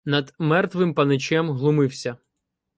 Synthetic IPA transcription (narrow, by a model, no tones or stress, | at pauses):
nɐd̪mɛrt̪ʋɪmpɐnɪt͡ʃɛmɦlˠʊmɪwsʲɐ